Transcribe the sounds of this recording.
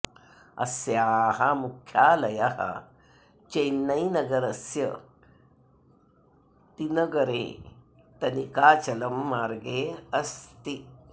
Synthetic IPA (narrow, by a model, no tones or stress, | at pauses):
ɐ̰sjaːɦɐmukʰːjaːlɐjɐɦɐ̰ | t͡ʃɐjnːɐjnɐɡɐɾɐsjɐ | t̪inɐɡɐɾḛː | t̪ɐnikaːt͡ʃɐlɐmːaːɾɡeːɐst̪i